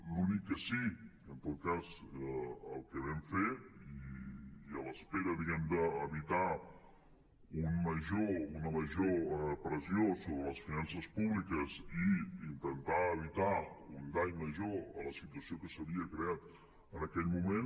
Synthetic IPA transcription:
lunikːəsi | ənt̪ot̪̚kaz | əlˠkəβɛɱfeiː | ələspeɾəðiɣɛmd̪əːβit̪a | unməʒounəməʒopɾəziosoβɾələsfinansəspuβlikəziint̪ənt̪aəβit̪aund̪ajməʒoələsit̪uəsiokəsəβiəkɾeat̪ | ənəkɛʎmumen

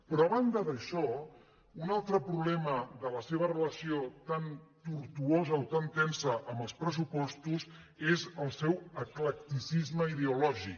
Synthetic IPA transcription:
pɾɔəβand̪əðəʃɔ | unalˠt̪ɾəpɾuβlɛməðələseβ̞ərələsiot̪ant̪uɾt̪uozəot̪ant̪ɛnsəʔəmbəlˠspɾəsupɔst̪uz | ezəlˠsɛwəklək̚t̪isizməiðeulɔʒik

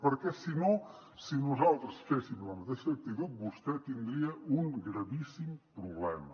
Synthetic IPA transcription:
pəɾkɛsinɔ̃sɨnɔzalˠt̪ɾusfɛsimuzvamuzd̪ɛsɐɐk̚t̪it̪ud̪̚bust̪ɛt̪ind̪ɾiɐũŋɡɾɐβisimpɾuβlɛmɐ

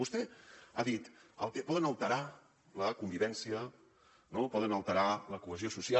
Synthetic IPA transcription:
ust̪ɛaðit̪ə̰lˠkɛpɔðənəlˠt̪əɾa | ləkumbiβɛnsiə | nopɔðənəlˠt̪əɾaləkuəziosusia

